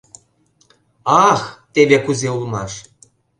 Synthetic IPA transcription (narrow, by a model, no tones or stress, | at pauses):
ɑxt̪eβekuzeulmɑʃ